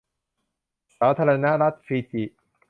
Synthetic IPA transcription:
saː˨˦t̪ʰaː˧ɾa˧na˦ʔɾa˦˥t̪̚fiː˧t̪i˨˩

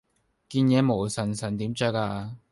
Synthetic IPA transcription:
kiː˧njɛː˨˧mo˨˩wsɐ˨˩nsɐ˨˩nt̪iː˨˥mt͡sœ˨˥kaː˧

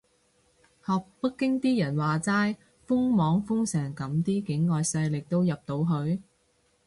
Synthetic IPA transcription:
hɔː˨k̚pɐ˥kːɪ˥ŋt̪iː˥jɐ˨˩nwaː˨t͡saː˥j | fʊ˥ŋmɔː˨˥ŋfʊ˥ŋsɛː˨˩ŋkɐ˨˥mt̪iː˥kɪ˨˥ŋːɔː˨jsɐ˧jlɪ˨k̚t̪o˥wjɐ˨p̚t̪o˨˧˥wɦɵ˨˧ɥ

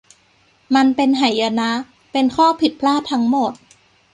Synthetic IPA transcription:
ma˧npe˧nɦa˨˩˦ja˧na˦˥ | pe˧nkʰɔː˥˩pʰi˨˩t̪̚pʰlaː˥˩t̪ʰːa˦˥ŋmo˨˩t̪̚

